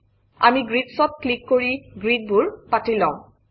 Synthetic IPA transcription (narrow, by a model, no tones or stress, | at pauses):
a̰miɡɹitsɔt̚klikːoɹiɡɹid̚buɹpatilãʊ̃